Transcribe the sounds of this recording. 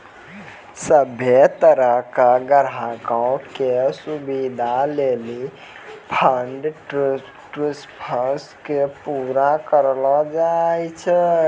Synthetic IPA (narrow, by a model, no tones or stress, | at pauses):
səbʱet̪əɾəɦkaɡəɾakəwkesubid̪ʱaleli | pʰəɳɖ | ʈɾispʰəskepuɾakəɾlɔd͡ʒajt͡ʃʰɛ